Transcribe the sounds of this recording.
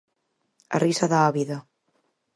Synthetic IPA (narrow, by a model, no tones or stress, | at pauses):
a̰risaðaaβiða